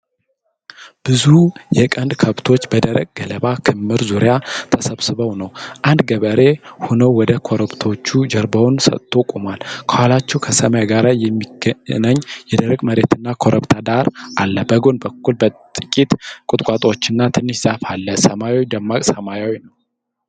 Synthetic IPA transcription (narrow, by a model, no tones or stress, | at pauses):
b̥ɨzujɛkʼənd̪kʰəβt̪ʰo̞t͡ʃːbəd̪əɾəɡ̚ɡələβakʰɨmːɨɾzuɾjat̪ʰəsəβsɨβəwnəwʔand̪ɡəβəɾe̞honəwwɔd̪əkʰo̞ɾəbt̪ʰo̞t͡ʃːud͡ʒɛɾbəwnsə̰t̪ʰʼːo̞kʼomalkʰəhalat͡ʃːɛwkʰəsəmajaɡaɾajɛmːiɡnaɲːjɛd̪əɾəɡməɾe̞t̪ɨnːakʰo̞ɾʔəβt̪ʰad̪aɾʔalːəbəɡo̞nbəkːulbət̪ʼɨkʼit̪kʼʊt̪ʼkʼat̪ʼo̞t͡ʃːɪnːat̪ʰɨnːɨʃz̥afalːəsəmajawid̪əmːakʼsəmajawinəw